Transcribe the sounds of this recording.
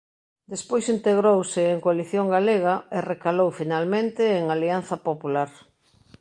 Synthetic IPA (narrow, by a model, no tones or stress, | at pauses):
d̪espojsint̪eɣɾowsɪːŋkoaliθjoŋɡaleɣ̞aerekalowfinalmẽnt̪ɪːŋalianθɐpopulaɾ